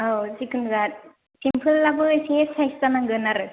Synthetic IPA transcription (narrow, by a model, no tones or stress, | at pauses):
asikɯnɡat̚ | simpʰɯlːabɯsesajstanaŋɡɯnaɾɯ